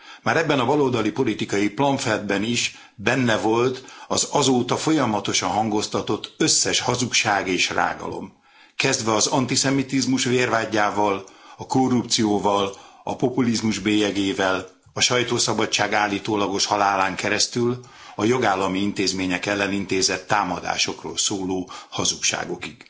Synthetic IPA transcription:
maːɾɛbːɛnɒbɒloːld̪ɒlipo̞lit̪ikɒjiplɒɱfɛld̪̚bɛniʃ | bɛnːɛvo̞lt̪ɒzɒzoːt̪ɒfo̞jɒmɒt̪o̞ʃɒnɦɒŋɡo̞st̪ɒt̪o̞t̪ːø̞sːɛʃhɒzukʃaːɡeːʃra̰ːɡɒ̰lo̞̰m | kɛzd̪vɛɒzɒnt̪isɛmit̪izmuʃʋeːrvaːɟːaːvɒlɒko̞rːupt̪sijoːvɒlɒ̰po̞pulizmuʒbeːjɛɡeːvɛl | ɒʃɒjt̪oːsɒbɒt͡ʃːaːɡaːlːiːt̪oːlɒɡo̞ʃhɒlaːlaːŋkɛɾɛst̪yl | ɒjo̞ɡaːlːɒmiint̪eːzmeːɲɛkɛlːɛnint̪eːzɛt̪ːaːmɒd̪a̰ːʃo̞kro̰ːlsoːloːhɒzukʃa̰ːɡo̞kiɡ̥

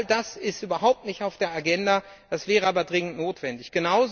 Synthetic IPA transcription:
ldasɪstʔyːbɐɦaʊp̚tnɪçtaʊfd̥eːɐaɡɛnda | d̥asv̥ɛːʁəaːbɐdʁɪŋən̩tnoːtv̥ɛndɪçɡ̥ənaʊz

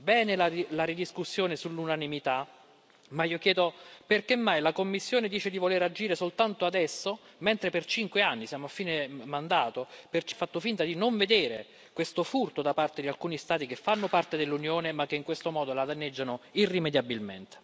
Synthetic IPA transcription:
bɛːnelalaɾid̪iskusːjoːnesulːunanimit̪a | maiːokjɛːd̪operkemːajlakomːisːjoːned̪iːt͡ʃed̪ivoleɾad͡ʒiːɾesolt̪ant̪oad̪ɛsːo | ment̪ɾepert͡ʃiŋkweanːisjaːmoafːiːnemand̪aːt̪opert͡ʃfat̪ːofint̪ad̪inoɱved̪eːɾḛ | kwest̪ofurt̪od̪apart̪ed̪ialkuːnist̪aːt̪ikefːanːopart̪ed̪elːunjoːnemak̟ːeiŋkwest̪omɔːd̪olad̪anːed͡ʒːanoirːimed̪jabilment̪e̥

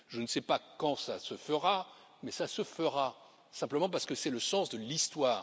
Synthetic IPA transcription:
ʒənəsɛpakɑ̃sasəfəʁa | mɛsasəfəʁa | sɛ̃pləmɑ̃p̬aʁsə̥kəsɛləsɑ̃sd̪əlist̪waːʁ

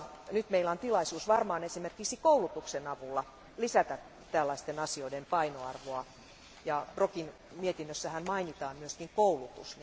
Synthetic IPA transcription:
nyt̪meilɑnt̪ilɑisuːsʋɑrmɑːnesimerkiksikoulut̪uksenɑʋulːɑ | lisæt̪æ | t̪ælːɑist̪enɑsioidempɑinoɑrʋoɑ | jɑprokin | miet̪inːøsːæhænmɑinit̪ɑːmmyøskiŋkoulut̪ṵsn

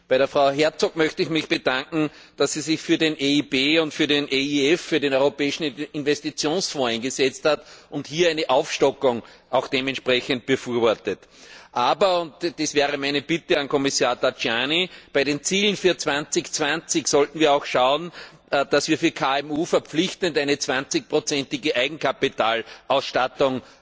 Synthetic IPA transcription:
b̥æɪɾeɐfʁaʊɦɛɐt͡sokmœçtəɪçmɪçb̥ədãŋkŋ̩ | d̥asːizɪçfyːɐdenʔeibeːʊntfyːɐdenʔeiɛfːyːɐdeːnɔʏʁopɛːɪʃn̩ɪnvɛstit͡sjoːnsfɔːɛ̃ɪnɡəsɛt͡sthatʔʊnthiːɐæɪnəʔaʊfʃtɔkʊŋ | ʔɑʊxd̥eːmɛntʃpʁɛçənt̚b̥əfyːɐvɔɐtətʔaːbɐʊntd̥esvɛːʁəmæɪnəb̥ɪtəankʰɔmisaːɐtat͡ʃjaːnib̥æɪɾeːnt͡siːlən̩fyːɐt͡sv̥ãnt͡sɪçt͡sv̥ãnt͡sɪçsɔltn̩viːɐaʊxʃaʊən | d̥asviːɐfyːɐkʰaɛmuːfɛɐpp͡flɪçtəntæɪnət͡sv̥ãnt͡sɪç̚pʁot͡sɛntɪɡəʔæɪɡŋ̩kʰapitaːlʔaʊsʃtatʊŋ

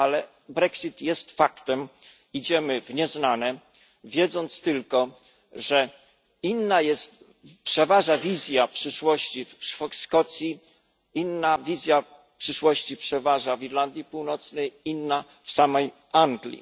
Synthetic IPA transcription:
alɛ | bɾɛksit̪jɛst̪fakt̪ɛm | id͡ʑɛmɘvɲɛznanɛ | vʲjɛd̪zɔnt̪st̪ɘlkɔ | ʐɛ | inːajɛst̪̚ | pʂɛvaʐavʲizʲjapʂɘʂwɔɕt͡ɕifʂskɔt̪sʲji | inːavʲizʲja | pʂɘʂwɔɕt͡ɕipʂɛvaʐaviɾland̪ʲjipuwnɔt̪snɛjinːa | fsamɛj | aŋɡlʲḭ

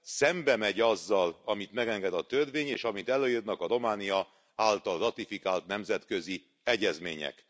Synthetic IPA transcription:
sɛmbɛmɛɟɒzːɒlɒmit̪mɛɡɛŋɡɛd̪ɒt̪ørveːɲḛːʃɒmit̪ɛløːjyd̪nɒkɒɾo̞maːnijɒ | aːlt̪ɒlrɒt̪ifikaːlt̪nɛmzɛt̪kø̞zi | ɛɟɛzmḛːɲɛ̰k

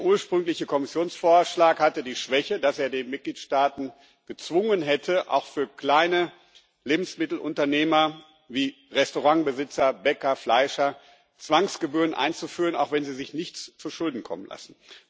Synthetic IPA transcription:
ɐʔuːɐʃpʁ̥ʏŋlɪçəkʰɔmɪsjoːnsfoːɐʃlaːkhatədiːʃv̥ɛçədaseːɐdeːnmɪt̚ɡ̥liːtʃtaːtn̩ | ɡ̥ət͡sv̥ʊŋənɦɛtʰəʔa̰ʊxfyːɐkl̥aɪnə | leːbm̩smɪtl̩ʔʊ̰ntɐneːmɐ | viː | ʁɛstoʁaŋbəzɪt͡sɐbɛkɐflaɪʃɐ | t͡sv̥aŋsɡ̥əbyːɐʁənʔa̰ɪnt͡sufyːʁəna̰ʊxv̥ɛnziːzɪçnɪçt͡st͡suʃʊldn̩kʰɔ̰mənla̰sn̩

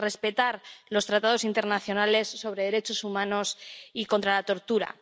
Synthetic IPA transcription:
re̞spe̞t̪aɾlo̞st̪ɾat̪að̞o̞sint̪e̞ɾnaθjo̞nale̞sːo̞β̞ɾe̞ðe̞ɾe̞t͡ʃo̞sumãno̞siko̞nt̪ɾalat̪o̞ɾt̪uɾa̰

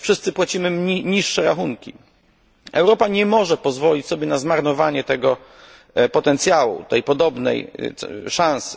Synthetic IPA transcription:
fʂɘst̪sɘpwat͡ɕimɘmiɲiʂːɛɾaxuŋkʲḭ | ɛwɾɔpaɲɛmɔʐɛpɔzvɔlʲit͡ɕsɔbʲjɛnazmaɾnɔvaɲɛt̪ɛɡɔ | pɔt̪ɛnt̪sʲjawṵt̪ɛjpɔd̪ɔbnɛ̰j̪ʂãñs

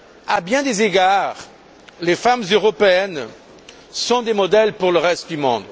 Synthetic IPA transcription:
abjɛ̃d̪ezeɡaʁ | lefamzøʁɔpeɛn | sɔ̃d̪emɔd̪ɛlpuʁləʁɛst̪d̪ymɔ̃d̪

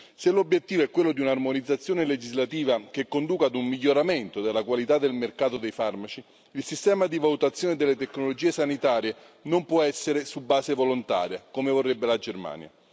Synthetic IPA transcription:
selobːjet̪ːiːvoɛkːwelːod̪iunarmonid̪zːat̪sːjoːneled͡ʒizlat̪iːvak̟ekːond̪uːkad̪umːiʎːoɾament̪od̪elːakwalit̪ad̪ːelmerkaːt̪od̪ejfarmat͡ʃi | ilsist̪ɛːmad̪ivalut̪at̪sːjoːned̪elːet̪ekːnolod͡ʒiːesanit̪aːɾje | nompwɔɛsːeɾesubːaːsevolont̪a̰ːɾjakomevorːebːelad͡ʒerma̰ːnja̰

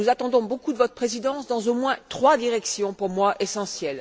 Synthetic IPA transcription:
nuzat̪ɑ̃d̪ɔ̃bokud̪əvɔt̪χəpχezid̪ɑ̃sd̪ɑ̃zomwɛ̃t̪χwad̪iʁɛksjɔ̃puʁmwaʔesɑ̃sjɛl

